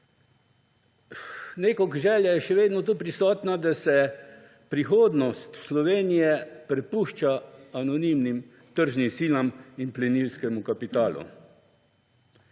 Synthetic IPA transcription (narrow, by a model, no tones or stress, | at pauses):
neːkɔkʒɛːljajɛʃɛʋeːd̪nɔt̪uːpɾisɔːt̪nad̪asɛ | pɾixoːd̪nɔst̪slɔʋeːnijɛpɾɛpuːʃt͡ʃaanɔnimnim | t̪əɾʒnimsiːlaminplɛniwskɛmukapit̪aːlṵ